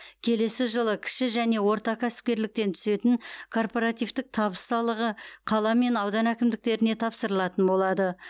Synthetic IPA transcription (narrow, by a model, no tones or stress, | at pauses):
kʲʰe̞le̞sɪʒəlˠəkʲʰɪ̥ʃɪʒæne̞wo̞ɾt̪ɑkʲʰæsɪ̥p̚kʲe̞ɾlɪk̚t̪e̞nt̪ʰʏ̥se̞t̪ɪŋkʰo̞rpo̞ɾɑt̪ijvt̪ɪk̚t̪ʰɑbəst̪ɑlˠəʁəqʰɑlˠɑme̞nɑwd̪ɑnækʲɪmd̪ɪk̚t̪e̞ɾɪne̞t̪ʰɑpsəɾəlˠɑt̪ənbo̞lˠɑd̪ə